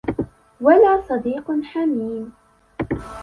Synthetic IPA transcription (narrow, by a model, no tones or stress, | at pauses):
walaːsˤɑd̪iːqħamiːn